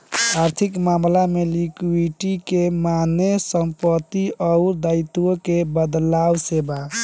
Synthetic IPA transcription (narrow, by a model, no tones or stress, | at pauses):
aɾt̪ʰikmamlamelikiʈikemanesəmpət̪iəʊɾd̪aɪt̪uokebəd̪lawseba